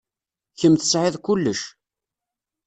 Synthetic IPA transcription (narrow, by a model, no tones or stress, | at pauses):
çəmθə̥sʕɪðkʊlːəʃ